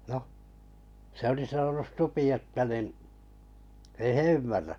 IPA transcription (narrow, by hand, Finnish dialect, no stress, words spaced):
noh se oli sɑnonus supi etːæ nin ei he ymːærːæ